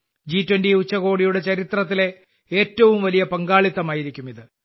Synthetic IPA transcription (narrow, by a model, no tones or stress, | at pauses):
d͡ʑiːtːwendiut͡ɕːɐɣo̞ːɽijuɽe̞t͡ɕɐɾit̪rɐt̪̬ːile̞ | eːtːɐʋumʋɐlijɐpɐŋɡaːɭit̪ːɐmaːjiɾikʲːumiðɨ